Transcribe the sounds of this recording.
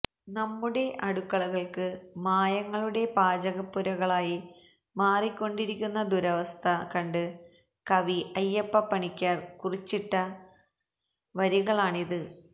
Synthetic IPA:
nɐmːuɽe̞ʔɐɽukːɐɭuɣɐɭkɨmaːjɐŋːɐɭuɽe̞paːd͡ʑɐɣɐpːuɾɐɣɐɭaːji | maːrikʲːo̞ɳɖiɾikʲːunːɐd̪uɾɐʋɐst̪ʰɐkɐɳɖɨ | kɐʋiʔɐjːɐpːɐpːɐɳikʲːaːrkurit͡ɕːiʈːɐ | ʋɐɾiɣɐɭaːɳiðɨ

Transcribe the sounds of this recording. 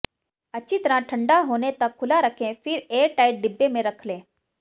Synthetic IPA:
ət͡ɕit̪ɾãʈʰəɳɖaɦonet̪əkʰːulaɾəkʰẽfiːɾeʈajʈ̚ɖibːemẽɾəkʰlẽ

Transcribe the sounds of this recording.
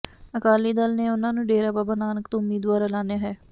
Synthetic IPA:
əkaːliːd̪əlneːʊnãːnũːɖeːɾaːbaːbaːnaːnəkt̪õːʊmːiːd̪ʋaːɾɛlaːnejaːɦɛː

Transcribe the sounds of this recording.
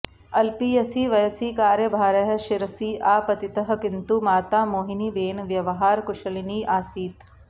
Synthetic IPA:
ɐlpiːjɐsiːʋɐjsiːkaːɾjɐbʱaːɾɐɦɐʃɪɾɐsiːʔaːpɐt̪it̪ɐɦɐkɪnt̪umaːt̪aːmoːɦiniːʋeːnʋjɐʋɐɦaːɾkʊʃɐliniːʔaːsiːt̪

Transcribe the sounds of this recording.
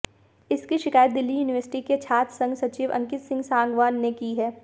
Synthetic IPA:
ɪskiʃɪkaːjət̪̚d̪ɪlːijuːnɪʋəɾsɪ̥ʈiket͡ʃʰaːt̪sɐ̃ŋɡsɐt͡ʃiːʋɐ̰̃ŋkɪt̪sɪ̃ŋɡsãːŋɡʋaːnːekiɦɛː

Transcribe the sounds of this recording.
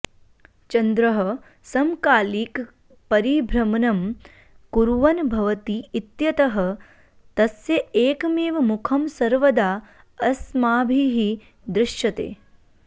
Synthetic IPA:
t͡ʃɐnd̪ɾɐɦɐ̆ | sɐmkaːliːk | pɐɾibʱɾɐmɐnɐm | kuɾʋɐnbʱɐʋɐt̪iːt̪jɐt̪ɐɦɐ̆ | t̪ɐsjɐeːkmeːʋɐmukʰɐmsɐɾʋɐd̪aː | ɐsmaːbʱiɦi | d̪ɾɪʃjɐt̪ḛː

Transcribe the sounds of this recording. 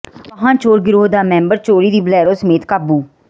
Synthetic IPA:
əɦãːt͡ʃoːɾɡɪɾoːd̪aːmɛ̃ːmbəɾt͡ʃoːɾiːd̪iːbəlɛːɾoːsəmeːt̪kaːbuː

